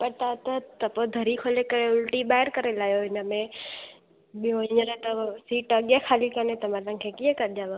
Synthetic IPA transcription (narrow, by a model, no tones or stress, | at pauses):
pəɾt̪at̪ət̪ɐpod̪ʱəɾikʰoːlekəɾeʊlʈiɓaːɦɪɾkəɾelaːjoɪnəmẽ | ɓijoɪɲəɾet̪əsiːʈəɠẽkʰaːlikənet̪əmãlãŋkʰekiẽkəɾd͡ʒaːʋã